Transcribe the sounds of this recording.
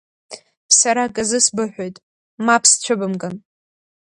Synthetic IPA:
saɾaɡʼazɨsbɨħʷᶣojtʼ | mapʰst͡ɕʷʰɨbɨmɡʼan

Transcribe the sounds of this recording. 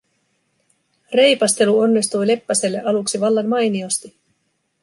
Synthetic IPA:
re̞jpɑst̪e̞luo̞nːist̪ujle̞pːæse̞lːeʔɑluksiʋɑlːɑnmɑjnio̞st̪i

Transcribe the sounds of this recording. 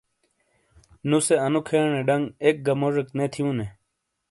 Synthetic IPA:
nuseɐnukʰeɳeɖɐŋɡek̚ɡɐmoʐeknet̪ʰijũne

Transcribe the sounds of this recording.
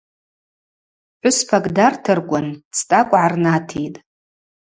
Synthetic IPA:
ħʷʊspʰakʼdartʰɨrɡʷʼant͡sʰtʼakʷʼʕarnatʰitʼ

